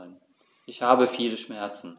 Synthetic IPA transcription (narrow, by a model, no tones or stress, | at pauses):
n | ʔɪçhaːbəfiːləʃmɛɐt͡sn̩